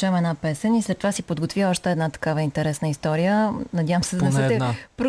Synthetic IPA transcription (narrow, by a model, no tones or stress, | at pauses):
ɛmɛnapɛsɛnisɾɛt̪ːovasipod̪ɡot̪viəɔʃt̪ɛɛd̪nat̪ɐ̥kavəint̪ɛɾɛsnəist̪ɔɾijənɐd̪javəmsɛd̪ɐnɛsɛtt̪ɛpɾ